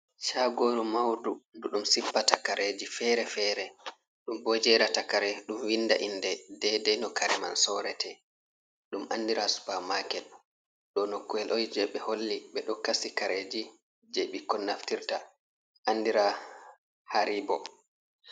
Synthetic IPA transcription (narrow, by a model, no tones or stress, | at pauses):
ʃaɡoːɾumawdunduɗumsipːatakaɾʔed͡ʒifɛɾɛfɛːɾɛ | ɗumbod͡ʒɛɾatakaɾɛɗumwinːda̰ʔindɛdɛdɛnɔkaɾɛma̰nsɔɾɛtɛ | ɗumandiɾasu̥pamakɛl | ɗɔnokːuɛlʔɔjd͡ʒɛɓɛholːiɓɛɗɔkasikaɾed͡ʒi | d͡ʒeɓikːɔnaftiɾta | ʔanːdiɾa | haɾiːbɔ̰